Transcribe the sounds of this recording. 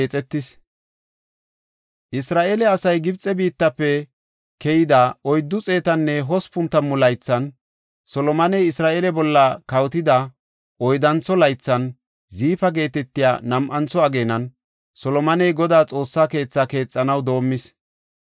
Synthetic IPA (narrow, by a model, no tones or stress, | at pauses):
t͡sʼɛt̪ːɪs | ʔɪsɾaːʔelɛɐsɐjɡɪbt͡sʼːɛbiːt̪ːɐpːɛ | kɛjɪd̪aɔjd̪ːʊt͡sʼeːt̪ɐnːɛɦɔspʊnt̪ːɐmːʊlɐjt͡sːɐn | sɔlɔmɐnɛjɪsɾaːʔelɛbɔlːɐkɐwt̪ɪd̪ɐ | ʔɔjd̪ɐnt͡sːɔlɐjt͡sːɐn | ziːfɐɡe̞ːt̪ɛt̪ːɪja̰ːnɐmʔɐnt͡sɔɐɡe̞ːnɐn | sɔlɔmɐnɛjɡɔd̪aːt͡sʼo̞ːsːake̞ːt͡sːake̞ːt͡sʼːɐnɐwd̪o̞ːmːɪs